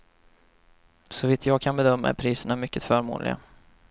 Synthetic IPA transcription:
sɔviːt̪ʰjɑːɡ̚kʰanbɛd̪œmːaæ̰ɾpʰɾiːsəɳamʏkːət̪fœɾmṵːnlɪ̰ɡa̰

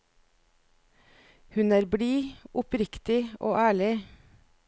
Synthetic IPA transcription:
hʉnæːɾbɽiːʔʊpɾɪkt̪ɪʔo̰ːʔæːɭɪ

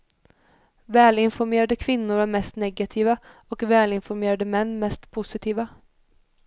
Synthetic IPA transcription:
vɛːlɪnfɔɾmeːɾad̪əkʰvɪnːʊɾæːɾmɛst̪nɛɡat̪ʰiːʋaɔkvɛːlɪnfɔɾmeːɾad̪əmɛnːmɛst̪pʰʊsɪt̪ʰiːʋa

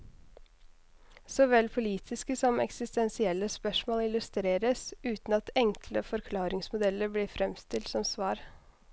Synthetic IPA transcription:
sɔʋɛlpʰʊliːt̪ʰɪskəsɔmɛ̰ksɪst̪ɛnsɪɛlːəspœʂmoːlɪlʉst̪ɾeːɾəsʉːt̪n̩ɑt̪ʰɛŋkʰləfɔɾkʰlɑːɾɪŋsmʊd̪ɛlːəɾbliːfɾɛmst̪ɪlt̪sɔmsʋɑːɾ

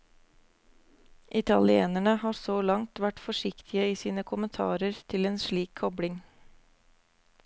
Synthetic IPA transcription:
ʔɪt̪ɑlɪeːnæɳəhɑːɾsoːlɑŋt̪ʋæʈfɔʃɪkt̪ʰɪəiːsiːnəkʰʊmənt̪ʰɑ̰ːɾəɾt̪ʰɪleːnʃɭiːkkʰɔbɽɪŋ

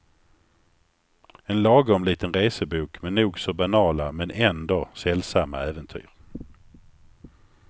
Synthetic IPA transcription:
ɛnlɑːɡɔmliːt̪ənɾeːsəbuːkmɛnːuːɡsɔbanɑːlamɛnʔɛnd̪osɛlsamːa̰æːvənt̪ʰy̰ːɾ

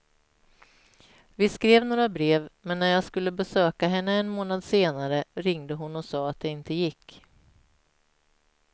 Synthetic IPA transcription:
vɪskɾeːvnoːɾabɾeːvmɛnːæɾjɑːɡskɵlːəbɛsøːkaɦɛnːəɛnmoːnad̪seːnaɾəɾɪŋd̪əɦʊnːɔsɑːat̪̚d̪ɛɪnt̪əjɪkː

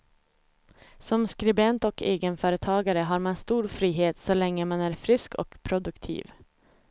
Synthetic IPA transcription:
sɔmskɾɪbɛnt̪ɔkeːɡənfœːɾət̪ʰɑːɡaɾəɦaɾmanst̪uːɾfɾiːɦeːt̪sɔlɛŋːəmanæɾfɾʏskɔ̰kpʰɾʊd̪ɵkt̪ʰḭːv

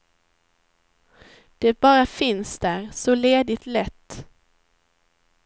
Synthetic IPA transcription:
d̪̥ɛbɑːɾafɪnsd̪æːɾsɔleːd̪ɪt̪lɛt̪ː

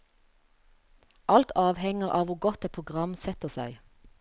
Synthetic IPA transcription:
ʔɑlt̪ʰɑːʋhɛŋəʁʔɑ̰ːʋuːɡɔt̪ɛːt̪̚pʰʁʊɡʁɑmsɛt̪əsæɪ

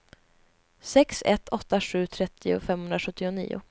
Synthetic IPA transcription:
sɛksɛ̰t̪ʰːɔt̪ːaɧʉ̟ːt̪ʰɾɛt̪ʰːɪʊ̰fɛmhɵnɾaɧɵt̪ːɪʊnḭːʊ̰

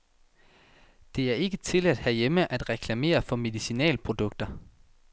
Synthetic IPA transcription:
d̥e̝æɐe̝ɡ̥ət͡sʰe̝læd̥hæjeməʔæd̥ʁɛkʰlæme̝̰ːɐfɒ̽me̝ðˠisinɛ̰ːlpʰʁo̝d̥ɔ̽ɡ̥̚d̥ɐ

